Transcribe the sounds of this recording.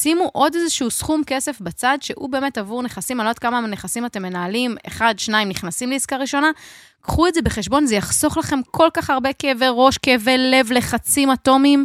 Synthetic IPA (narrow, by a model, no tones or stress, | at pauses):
simuʔo̞dezeʃuusχumke̞se̞fbat͡sadʃe̞ʔṵbe̞ːme̞tavuʁneχasimalot̚kamane̞χasimate̞mːe̞naːlimḛχadʃnaimniχnasimleiskaʁiʃo̞na | kχuetze̞be̞χeʃbo̞nzejaχso̞χlaχe̞mkʰo̞lkaχaʁbe̞keveʁo̞ʃkevele̞vle̞χat͡simato̞mim